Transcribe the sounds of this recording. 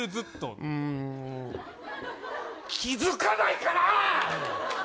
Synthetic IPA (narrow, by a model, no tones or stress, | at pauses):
ɯzɨt̪ːo̰ɯ̃ | kʲʰizɨkanaikana